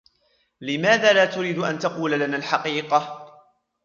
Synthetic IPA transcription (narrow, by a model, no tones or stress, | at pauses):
lɪmaːðaːlaːt̪ʊɾiːd̪ʔa̰nt̪ɑquːlalanaːlħɑqiːqɑ